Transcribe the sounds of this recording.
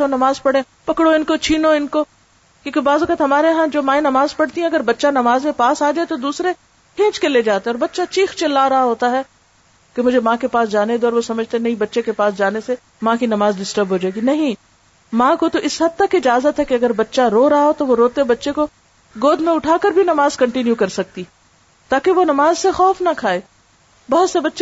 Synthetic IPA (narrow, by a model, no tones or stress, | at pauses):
onɐmaːzpɐɽẽ | pɐkɽoɪnkot͡ʃʰiːnoɪnko | kjõːkebaːzʋɐkət̪ɦɐmaːɾeɦãd͡ʒoːmãːẽnɐmaːzpɐɽt̪iɦɛ̃ɐɡəɾbɐtːʃanɐmaːzepaːsaːd͡ʒaːet̪od̪uːsɾe | kʰẽːt͡ʃkeleːd͡ʒaːt̪eɛ̃ɔːɾbɐtːʃat͡ʃiːxt͡ʃɪlːaɾɐɦaɦoːt̪aɦɛː | kemʊd͡ʒʱemãːkepaːs̬d͡ʒaːned̪oɔːɾʋosɐməd͡ʒʱt̪eɛnɐɦĩbɐtːʃekepaːsd͡ʒaːnese | mãkinɐmaːzɖɪsʈəɾbɦoːd͡ʒaːeɡinɐɦĩ | mãːkot̪oʔɪsɦɐd̪̚t̪ɐkɪd͡ʒaːzət̪ɦɛkeɐɡəɾbɐtːʃaɾoːɾɐɦaɦot̪oʋoɾoːt̪eɦɛbɐtːʃeko | ɡoːd̪ʱmẽʊʈʰaːkəɾbʱinɐmaːzkɐ̃ɳʈɪnjukɐɾsɐk̚t̪i | t̪aːkeʋonɐmaːzsexɔːfnakʰaːeː | bɐɦʊt̪sebɐtːʃe